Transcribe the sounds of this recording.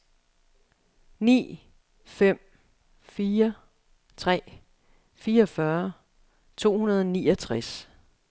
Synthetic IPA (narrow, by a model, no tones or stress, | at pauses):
nḭː | fem̰ | fiːɐ | t͡sʰʁɛ̰ː | fiːɐʌfɶɐ | t͡sʰo̝̰ːhunɐð̞ˠɒniːʌt͡sʰʁas